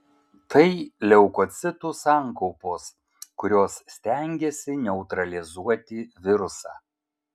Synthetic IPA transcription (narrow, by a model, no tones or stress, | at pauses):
t̪ɐɪlʲɛʊkɔt̪sʲɪt̪uːsɑːˑŋkɔʊpoːs | kʊɾʲoːssːʲt̪ʲæŋʲɡʲɛsʲɪnʲɛʊt̪ɾɐlʲɪzuɔt̪ʲɪʋʲɪɾʊsɑ̰ː